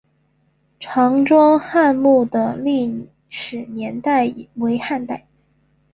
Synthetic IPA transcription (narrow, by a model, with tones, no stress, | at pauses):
ʈ͡ʂʰɑ˧˥ŋʈ͡ʂwɑ˥ŋxa˥˧nmu˥˩d̪ə˩li˥˩ | ʂɻ̩˨˩njɛ˧˥nt̪a˥˩ɪwe˧˥ɪxa˥˧nt̪a˥˩ɪ